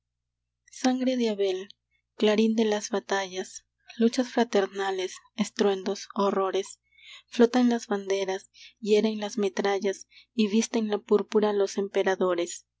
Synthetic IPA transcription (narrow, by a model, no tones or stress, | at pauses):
saŋɡɾe̞ðeaβe̞l | klaɾind̪e̞lazβat̪aʝas | lut͡ʃasfɾat̪e̞ɾnale̞s | est̪ɾwe̞nd̪o̞soro̞ɾe̞s | flo̞t̪anlazβand̪e̞ɾasjeɾeŋlazme̞t̪ɾaʝasiβist̪e̞ŋlapuɾpuɾalo̞se̞mpe̞ɾaðo̞ɾe̞s